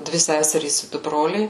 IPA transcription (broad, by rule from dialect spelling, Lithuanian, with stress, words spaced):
ˈdʲʋʲɪ ˈsʲæːsʲɛrʲiːs ɪ ˈdʊ ˈbroːlʲɛɪ